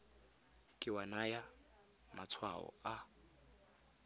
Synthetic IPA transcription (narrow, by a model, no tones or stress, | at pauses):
kʼɪwanaja | mat͡sʰwa̰ɔ̰a